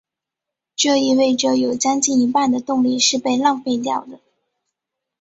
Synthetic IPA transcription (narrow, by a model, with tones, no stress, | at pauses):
ʈ͡ʂɤ˥˧i˥˧we˥˩ɪʈ͡ʂɤ˨˩jo˨˩ʊt͡ɕjɑ˥ŋt͡ɕi˥˩ni˧˥pa˥˩nd̪ə˩t̪ʊ˥˧ŋli˥˧ʂɻ̩˥˧pe˥˧ɪlɑ˥˧ŋfe˥˧ɪt̪̬jɑ˥˩ʊd̪ə˩